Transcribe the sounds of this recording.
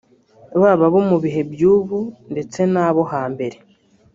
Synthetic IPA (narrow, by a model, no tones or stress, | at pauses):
βaːβaβomuβiɦe̞bjuːβunde̞t͡se̞naːβo̞haːmbe̞ɾe̞